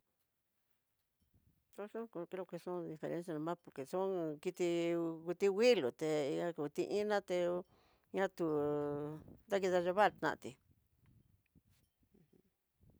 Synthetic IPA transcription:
t̪o˦ʂõ˦ko˧ki˧ɾo˧ke˧sõ˦d̪i˧fḛ˧ɾʔḛ̃˦ns̬ja˧nã˧mã˦po˨ɾke˨sõ˦ki˧t̪i˧ku˧t̪i˧wi˦lu˨t̪e˧a˧ku˧t̪i˧ʔĩ˦nã˦t̪e˧ | ɲã˦t̪u˧ | d̪a˦ki˧ða˧ʒo˧βa˦˨ɾt̪nã̰˧ʔt̪i˨˧ | hũ˧˦

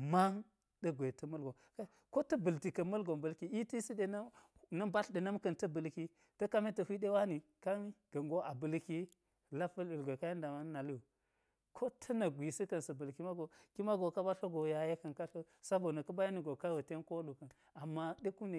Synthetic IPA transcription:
ma˦ŋ | ɗɐ˦ɡʷe˨tɐ˦mɐ˦lɡo˨ | ka˦ko˦tɐ˦bə˨lti˨kɐ˨mɐ˦lɡo˨mbɐ˨lki˨i˦ti˦si˦ɗe˨n˦ | nɐ˦mba˦ɬɗe˨nɐ˦mkɐ˨ntɐ˦bə˨lki˦ | tɐ˦ka˦me˦tɐ˨hʷi˦ɗe˦wa˦ni˨ | ka˦ni˦ɡ̥ɐ˨ŋɡo˦ʔa˨bə˨lki˦ | la˦fɐ˦li˨lɡʷo˨ka˦je˦n˦da˨ma˦n˦na˨li˦u˨ | kʰo˦tʰɐ˦nɐ˨ɡʷi˨si˦kɐ˨nsɐ˨bɐ˨lki˦ma˦ɡo˨ki˦ma˦ɡo˨ka˦ba˦ɬo˦ɡo˨ja˨je˦kɐ˨nka˦ɬo˦ | sa˦bo˨nɐ˨kɐ˦ba˦ja˦ni˨ɡo˨ka˦wu˨te˦nko˦lu˨kɐ˨n | a˨mːa˦ɗe˦ku˦ne˨

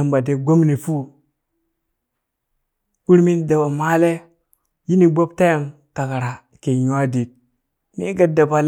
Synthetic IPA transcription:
a˨mba˨de˨ɡo˦mni˨fu˦ | u˦ɾmi˦n˦da˨ba˨ma˦le˦ | ji˦ni˨ɡ͡bo˦b̚ta˦ja˨m | ta˨ka˨ɾa˨ | ke˨ɲ˦a˦di˨t̚ | mi˦ɡa˨da˨ba˨l

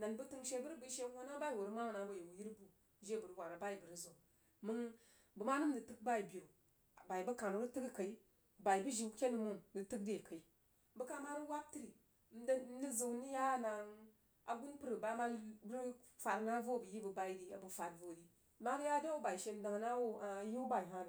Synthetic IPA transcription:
na˨nbu˦tɨ˦ŋʃe˦bu˦ɾbu˦ʃe˦wo˦na˦ba˦i˦˨wu˨ɾma˦wna˨bo˦je˨wu˨ji˦ɾbu˨˦ | ʒe˦bu˨ɾwʷa˨ɾa˨ba˦i˨bə˨ɾi˦zo˨ | mɨ˦ŋ | bə˨ma˦nu˦m̩˦də˨tɨ˦k̚ba˦i˨bi˨o˨ | ba˨i˨bə˦ka˨nu˦ɾi˦tɨ˦ki˦ka˨i˦ | ba˨i˨bu˦ʒi˨˦kʲe˦nu˨mu˦ndɨ˨tɨ˦k̚de˨ka˨i˦ | bə˦ka˦ma˦ɾi˦wa˦b̚ti˦ɾi˨˦˨ | m̩˦dli˦zu˨ni˦ja˦na˨ŋ | a̰˨ɡu˦npɨ˦ɾə˨ba˦ma˦ɾi˦ | fa˨ɾna˦vo˦˨bu˨ji˦bu˨ba˨i˦di˦˨a̰˨bu˨fa˨tvo˦˨ɾi˨˦ | ma˦ɾja˦da˦wu˦ba˨i˨ʃe˨m˨˦da˨ŋ˨na˦wo˦a˨˦ji˦u˦ba˨i˨ɦa˦n˨

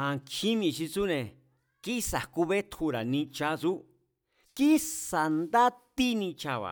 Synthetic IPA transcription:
ã˧kʰi˦mĩ˧ʃi˧t͡su˦nẽ˨ | ki˦sa˨ku˧βe˦t̪hu˧ɾa˨nĩ˧t͡ʃa˦t͡su˦ | ki˦sa˨nd̪a˦t̪i˦nĩ˧t͡ʃa˧βa̰˨

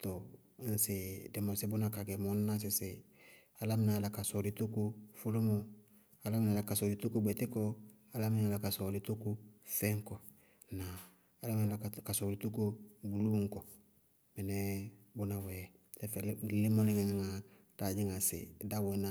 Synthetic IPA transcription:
to˨˦ | n̩˦sɪ˨dɛ˨mo˨sɪ˦bʊ˦na˨ka˨ɡɛ˨mo˦n˦na˦s̬ɪ˨sɪ˨ | a˨la˦mɪ˨na˨la˨ka˨so˨li˨˦tu˦ku˧fu˦lo˦mo˦ | a˨la˦m˦na˨la˨ka˨so˨di˨tu˦ku˦ɡ͡bɛ˨tɪ˦kɔ˦ | a˨la˦mi˦na˦la˨ka˨so˨li˦tu˦ku˦fɛ˦ŋ˦kɔ˨ | naː˨ | la˦m˦na˨la˨ka˨so˨li˨˦tu˦ku˦bu˨lu˦ŋ˦kɔ˨ | bɛ˨nɛ˦bu˦na˨wɛ˨ | sɛ˦fle˦mo˦li˦ŋe˨ŋa˨ŋa˨ | d̥a˨d͡ʒi˦ŋa˨sɪ̰˨da˦we˨na˦

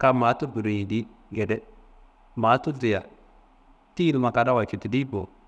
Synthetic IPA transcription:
ka˨ma˨˦tu˦bu˨ɾi˨ji˨di˦ | ɡe˨dɛ˦ | ma˨˦tu˦di˨ja˨ | ti˦i˦lma˨ka˨da˦wa˨t͡ʃu˨ti˨di˦bo˨

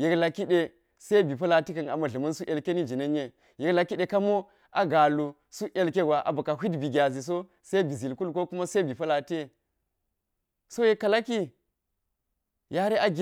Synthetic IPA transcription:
je˨kla˨kːi˦ɗe˨ | se˦bi˨pɐ˦la˨ti˦kɐ˨na̰˨mɐ˨ɮɐ˨mɐ˦nsu˦ʔe˨lke˦ni˦d͡ʒi˨nɐ˦ɲː˦e˦ | je˨kla˨kːi˦ɗe˨ka˦mo˦ | ʔa˦ɡa˨lu˨ | su˦ʔe˨lke˦ɡʷa˨ʔa̰˨ba˨ka˨ɦi˦dbi˨ɡʲa˨zi˨s̬o˦ | se˦bi˨zi˨lku˦lko˦ku˦ma˦se˦bi˨pɐ˦la˨te˦ | so˦je˦kːa˨la˦ki˦ | ja˦ɾe˦ʔa˦ɡʲ

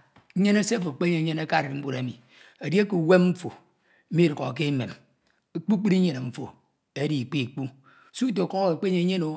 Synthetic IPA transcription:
ɲe˦ne˦se˦fo˨k͡pe˦ɲe˨˦ɲe˦na˦ka˦˨ɾe˨ɾm̩˦bu˦ɾe˨˦mi˨ | e˨dje˦ku˨we˦mm̩˦fo˨˦ | mi˦ɾo˨ɣo̰˨k̬e˦mḛ˨m | e˦k͡pu˦k͡pi˦ɾi˦e˨ne˨m̩˦fo̰˨ | e˦di˨k͡pi˦˨k͡pu˦˨ | su˦t̬o˨ko˦e˨k͡pe˦e˨˦ɲe˦no˨

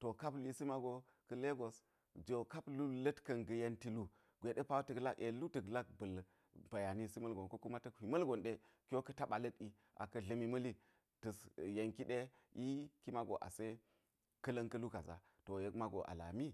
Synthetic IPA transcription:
to˨ka˦pli˦si˦ma˦ɡo˨ | kɐ˦le˦ɡo˨s | d͡ʒo˨ka˦plu˦lə˦tkɐ˨nɡə˨je˦nti˦lu˦ | ɡʷe˨ɗe˦pa˦tə˨kla˦ke˨lu˦tə˨kla˦k̚bə˨l | ba˨ja˨ni˦si˦mɐ˦lɡo˨nko˦ku˦ma˦tɐ˦khi˨mɐ˦lɡo˨nɗe˦ | kʲo˦kɐ˦ta˦ɓa˨lə˦ti˨ | ʔa̰˨kɐ˦ɮɐ˨mi˦mə˦li˦ | tɨ˨sje˨ŋki˦ɗe˦ji˦ki˦ma˦ɡo̰˨ʔa̰˨se˦ | kə˦lɐ˦ŋkɐ˦lu˦ka˨za̰˨ | to˨je˨kma˦ɡo̰˨ʔa̰˨la̰˨mi˦

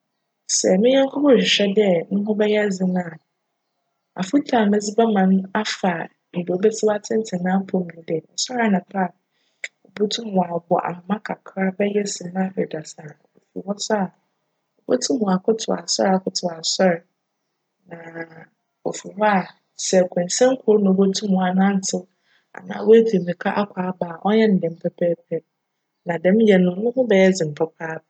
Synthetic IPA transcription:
sɛ˨mɪ̃˦ɲã˦ŋkʰɔ˦pʰɔ̃˦˨ɕᶣɪ˨ɕᶣɛ˦dɛ˦nʊ̃˦ɦʊ̃˦bɛ˦jɛ˦d͡zɪ˨nã˦˨ | a̰˨fu˦tʰã˨mɛ̃˦d͡zɪ˦bɛ˦mã˨ñ˦a˦fa˨ | n̩˨do˨o˦bɛ˦tʰɪ˦ba˦tʰɪ̃˦n˦tʰɪ˨nã˦m̩˦pʰɔ˨˦mĩ˨˦dɛ˨ɔ˨sɔ˦a˨nã˨pʰa˦˨ | o˨bo˦tʰũ˦mɔ˨a˨bɔ̰˨ʔa̰˨mʊ̃˨mã˦kʰa˨kʰɾa˦bɛ˦jɛ˦sɪ˨nã˦ɪ˨da˨sa˨o˨fṵ˨wɔ˦sa˦a˨ | o˨bo˦tʰũ˦mũ˨a˨kʰʊ˦tʰʊ̰˨a˨sɔ˦ɾa˨kʰʊ˦tʰʊ˨a˨sɔ˦ɾɛ˨ | nã˨ | o˨fu˨wɔ˦a˨ | sɛ˨kʰɛ̃˨n˨sɛ̃˦ŋ̩˦kʰo˦ɾnʊ̃˨bo˦tʰũ˦mʊ̃˨a˨nã˦n̩˦tʰɪ˦ | a̰˨nã̰˨˦wo˦æ˦fʰi˨mĩ˨kʰa˦ʔa˦kʷʰaː˨˦baː˨ʔɔ˦ɲɛ˦nɪ˨dɛ̃˨m̩˦pʰɛ˦pʰɛ˦pʰɛ˦ | nã˨dɛ̃˨˦m˦jɛ˨nʊ̃˦nʊ̃˦hʊ̃˦bɛ˨ɛ˦d͡zɪ̃˨m̩˨pʰɛ˦kʰaː˦b

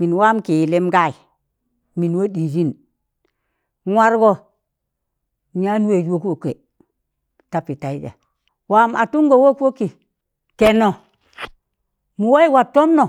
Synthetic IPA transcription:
mi˨nwa˦mki˨li˦mɡa˦˨ji˨ | mi˨nwo˦di˨d͡ʒi˦n˦ | ŋʷa˦ɾɡo˦ | ɲa˦n˦we˨d͡ʒwo˦kwo˨ke˨ | ta˦pi˨ta˨i˦d͡ʒa̰˨ | wa˦ma̰˨tu˦ŋɡo˨wo˦ko˦ki˨ | ke˨no˨ | mu˨wa˦i˦wa˨tːo˦mno˨

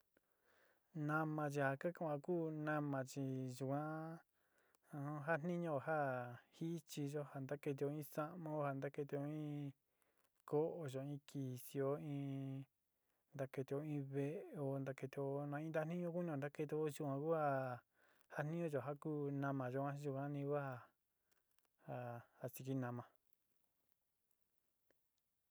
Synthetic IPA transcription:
nã˧mã˧t͡ʃ̬i˧ha˨ka˦kã˦˨ã˧kuː˦nã˧mã˧t͡ʃi˨ʒu˧˨kʷã˦˧˦ | ɦa˦n̥nĩ˦ɲõ˧˨ɦa˦hi˦t͡ʃi˧ʒo˦ha˧˨nd̪a˦ke˧t̪̬i˧o˧ĩ˦sa˦ʔmã˦o˧˦ha˧˨nd̪a˦ke˧t̪̬i˧o˧ĩː˦ | ko˦ʔo˧˨ʒo˨ĩː˦kʰi˨si˧o˧ĩː˦ | nd̪a˧ke˧t̪i˧o˧ĩ˦βe˧ʔe˧o˧nd̪a˧ke˧t̪i˧o˧nã˧ĩ˧˦d̪a˦n̥ĩ˦ɲõ˧˦k̬u˦nĩ˧õ˨nd̪a˦ke˧t̪̬i˧o˦ʒu˧ã˧ku˦ha˧ | ha˦n̥nĩ˦õ˧ʒo˨ɦa˦kuː˦nã˧mã˨ʒo˧˦ã˦ʒu˧kã˦nĩ˧ku˦ha˧ | ha˧ha˧si˧ki˦nã˧mã˧

